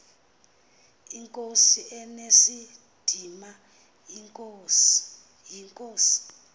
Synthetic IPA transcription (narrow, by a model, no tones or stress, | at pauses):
iŋkʼosiɛnesi | d̥ʱima | jiŋkʼos | jiŋkʼoːsi̥